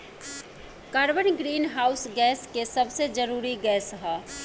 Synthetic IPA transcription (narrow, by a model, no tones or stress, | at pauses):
kaːɾbənɡɾiːnɦaːʊsɡɛːskesəbsed͡ʒəɾuːɾiɡɛːsɦa